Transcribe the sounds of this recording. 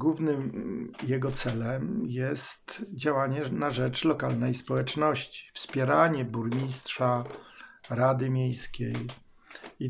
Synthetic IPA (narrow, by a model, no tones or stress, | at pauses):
ɡwuvnɘmjɛɡɔt̪sɛlɛmjɛst̪d͡ʑawaɲɛnaʐɛt͡ʂlɔkalnɛjspɔwɛt͡ʂnɔɕt͡ɕi̥fspʲjɛɾaɲɛbuɾmʲistʂa | ɾad̪ɘmʲjejskʲej | i